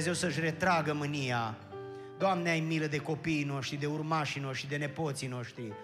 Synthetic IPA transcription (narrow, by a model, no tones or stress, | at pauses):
zewsəʃ̬ʲre̞t̪ɾaɡəmɨnija | d̪oamneajmiləd̪e̞ko̞piːno̞ʃt̪ɾid̪e̞urmaʃino̞ʃt̪ɾid̪e̞ne̞po̞t̪sino̞ʃt̪ɾi